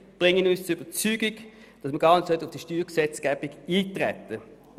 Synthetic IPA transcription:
b̥ʁɪŋːənyst͡sʊyb̥ət͡syːɡɪɡ | d̥ɑsməɡɑːɐnətsœtəʊfd̥iʃtyːʁksɛt͡sɡ̥æːb̥ɪɡiːtʁɛ̰tːə

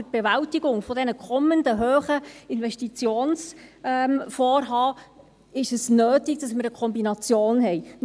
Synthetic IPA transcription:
ət̚b̥ɛvæltɪɡʊŋfɔdɛnəkʰɔməndəɦøːχəɪnvɛʃtit͡sjoːnsɛmfɔːɾɦɑː | ɪʃəsnøːtɪɡd̥ɑsmɪɾəkʰɔmbinɑt͡sjoːnɦɛj

